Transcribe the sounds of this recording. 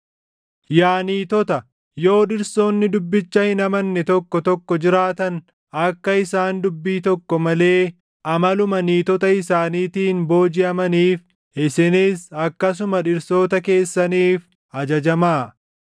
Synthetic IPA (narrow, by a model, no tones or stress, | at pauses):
jaːniːt̪ɔt̪ɐ | jo̞ːᶑɪɾso̞ːnːɪd̪ʊbːɪt͡ʃːɐhɪnɐmɐnːɛt̪ɔkːɔt̪ɔkːɔd͡ʒɪɾaːt̪ɐn | ɐkːɐɪsaːnd̪ʊbːiːt̪ɔkːɔmɐle̞ː | ʔɐmɐlʊmɐniːt̪ɔt̪ɐɪsaːniːt̪iːnbo̞ːd͡ʒɪɐmɐniːf | ɪsɪniːsɐkːɐs̬ʊmɐᶑɪɾso̞ːt̪ɐke̞ːsːɐniːf | ɐd͡ʒɐd͡ʒɐmaː